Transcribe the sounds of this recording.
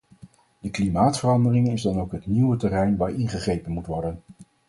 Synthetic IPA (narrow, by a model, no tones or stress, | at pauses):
d̥əklimaːtfərɑndərɪŋɪzdɑnowkɦətniwətɛrɛjnʋaːɹʔɪnχəχejpənmutʋɔɹdən